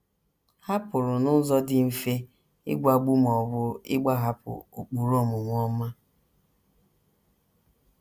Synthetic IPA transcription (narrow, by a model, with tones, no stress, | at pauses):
ha˦pʊ˨ɾʊ˨nʊ˦zɔ˦dɪ˨m̩˨fe˦ | ɪ̰˦ɡʷa˨ɡ͡bu˦m˨ɔ˨bʊ˦ɪ̰˦ɡ͡ba˦ɦa˦pʊ̰˨o˨k͡pu˨ɾo˦˨mʊ˨ŋʷɔ˦ma˦